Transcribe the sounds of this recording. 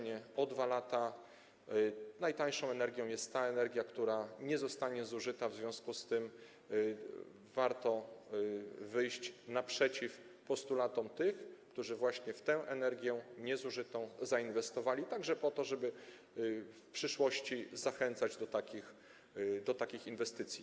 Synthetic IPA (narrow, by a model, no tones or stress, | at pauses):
ɲɛɔd̪valat̪a | najt̪aj̃ʂɔ̃w̃ɛnɛɾɡʲjɔ̃w̃jɛst̪tːaɛnɛɾɡʲjakt̪uɾaɲɛzɔst̪aɲɛzuʐɘt̪avzvʲjɔ̃w̃skust̪ɘm | vaɾt̪ɔ | vɘjɕt͡ɕnapʂɛt͡ɕif | pɔst̪ulat̪ɔmt̪ɘxkt̪uʐɘvwaɕɲɛft̪ɛw̃ʔɛnɛɾɡʲjɛɲɛzuʐɘt̪ɔ̃w̃zainvɛst̪ɔvalʲit̪aɡʐɛpɔt̪ɔʐɛbɘ | fpʂɘʂwɔɕt͡ɕizaxɛnt̪sad͡ʑd̪ɔt̪akʲix | d̪ɔt̪akʲixinvɛst̪ɘt̪sʲji